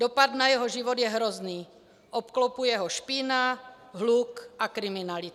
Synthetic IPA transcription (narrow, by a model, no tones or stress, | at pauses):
dopad̪najɛɦoʒivod̪jɛɦɾozniː | ʔopklopujɛɦoʃpina | ɦlukʔakɾimɪnalɪt̪